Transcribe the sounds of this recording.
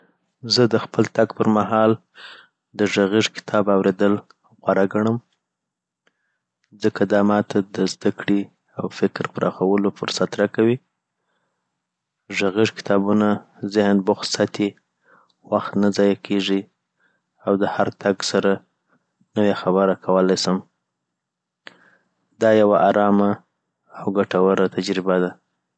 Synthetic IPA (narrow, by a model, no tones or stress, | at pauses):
zəd̪əxpəlt̪aɡpəɾmaɦɑl | d̪əʒaɣiʒkɪ̥t̪ʰɑbawɾed̪əl | ɣwaɾaɡaɳ̃əm | zəkʰad̪ɑmɑt̪ʰad̪əzd̪akɽi | awfɪkɾpəɾʔɑ̰xawəlofʊ̰ɾsat̪ɾakawi | ʒaɣiʐkɪ̥t̪ʰɑbuna | zɪhnbʊxsat̪e | waxt̪nazɑjakʰeʐi | awd̪əhaɾt̪aɡsaɾa | nəwexabəɾakʰawəlajsəm | d̪ɑjawaʔaɾɑmaː | wɡaʈawaɾat̪ad͡ʒɾɪbad̪a